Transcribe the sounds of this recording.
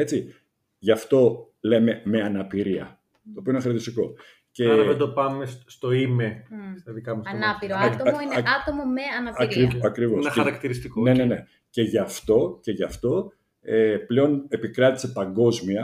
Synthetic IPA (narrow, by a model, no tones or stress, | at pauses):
e̞t͡si | ʝɐft̪o̞ | le̞me̞me̞ɐnɐpiɾiɐ̰ | t̪oopioeneɐɾɐt̪ist̪iko̞̰ | ce̞ðed̪opɐmesst̪o̞imest̪ɐðikɐmusɐnaiɾtonat̪omomeɐnɐɐɾiɐkɾivosɐxɐɾɐkt̪iɾist̪ikonenne̞ne̞ | ce̞ʝɐft̪o̞ce̞ʝɐft̪o̞ | eple̞o̞ne̞pikɾɐt̪i̥se̞pɐŋɡo̞zmiɐ